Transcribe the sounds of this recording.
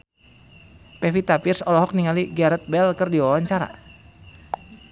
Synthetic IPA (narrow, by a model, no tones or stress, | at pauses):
pɛfit̪apɪrsɔlɔɦɔk̚niŋaliɡaɾɛt̪̚bɛlkɨrdiwawaɲt͡ʃaɾa̰